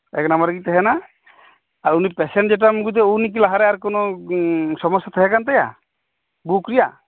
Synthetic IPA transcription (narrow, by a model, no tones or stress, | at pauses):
ɛknamaɾɡit̪ɛɦɛna | aɾunipɛsɛnd͡ʒɛʈ̬amuɡut̪̬ɛunik̬ilaɦaɾɛaɾkɔnɔ | sɔmɔsːat̪ʰəɦɛkant̪aja̰ | bukɾija